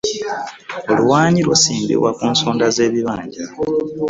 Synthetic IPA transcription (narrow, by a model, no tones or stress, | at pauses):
o̞luwaːɲiɾwo̰siːmbḭβwakuːnsoːndaze̞ːβiβaːɲɟa